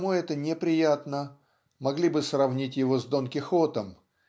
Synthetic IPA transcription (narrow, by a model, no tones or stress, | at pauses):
muɛt̪ənʲɪpɾʲɪjat̪nə | mɐɡlʲibɨsrɐvnʲitʲjɪvo̞zd̪onkʲɪxot̪əm